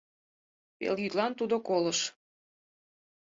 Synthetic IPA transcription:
pḛljyt̪lɑnt̪ud̪okoləʃ

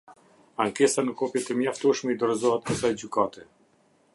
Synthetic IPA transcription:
aŋkɛsanəkɔpjɛt̪ɛmjaft̪uʃmɛid̪ɔɾɔzɔɦat̪̚pəsajd͡ʑykat̪ɛ

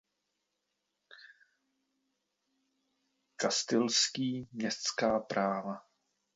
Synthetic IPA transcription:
kast̪ɪlskiːmɲɛst̪skaːpɾaːva

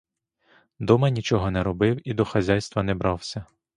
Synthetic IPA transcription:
d̪ɔmɐnʲit͡ʃɔɦɔnɛɾɔbɪwid̪ɔxɐzʲajst̪ʋɐnɛbɾɑwsʲɐ

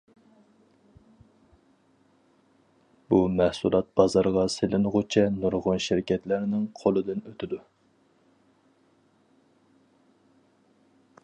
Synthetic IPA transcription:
b̥umæhsulˠɑt̪̚b̥ɑzɑɾʁɑselɪnɨʁʊt͡ʃʰɛnuɾʁʊnʃɪɾkʲɛt̪lɪɾnɪŋqʰolˠɨd̪ɪnøt̪ʰɪd̪u

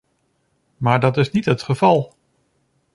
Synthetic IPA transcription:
maːɹdɑtɪsnitɦətχəvɑlˠ

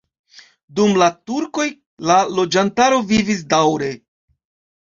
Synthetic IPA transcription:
dumlatuɾko̞j | lalo̞d͡ʒantaɾo̞vivis̬dawɾe̞

